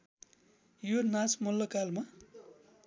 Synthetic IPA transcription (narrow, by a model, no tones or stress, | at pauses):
jonasmulːʌkalma